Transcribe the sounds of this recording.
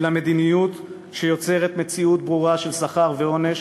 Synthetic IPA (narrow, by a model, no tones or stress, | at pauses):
lamed̪inijut̪ | ʃe̞jo̞t͡se̞ʁet̪me̞t͡siut̪bʁuʁaʃelsaχaʁveo̞ne̞ʃ